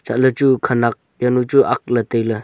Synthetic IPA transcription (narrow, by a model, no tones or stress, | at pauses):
t͡ʃalət͡ʃukʰanak̚ | janut͡ʃuʔak̚latejlɯ